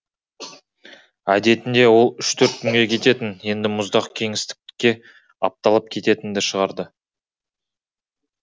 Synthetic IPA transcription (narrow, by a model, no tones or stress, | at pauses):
æd̪e̞t̪ɪnd̪e̞wo̞lˠʏʃt̪ʰɵɾt̪̚kʲʰʏŋɡʲe̞kʲʰe̞t̪e̞t̪ɪnje̞nd̪ɪmʊzd̪ɑqkʲʰe̞ŋɪst̪ɪ̥k̚kʲːe̞ | ɑ̰p̚t̪ɑlˠəp̚kʲʰe̞t̪e̞t̪ɪnd̪ɪʃəʁɑɾd̪ə